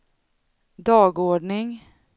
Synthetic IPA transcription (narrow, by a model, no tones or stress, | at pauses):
d̪ɑːɡoːɖɳɪŋ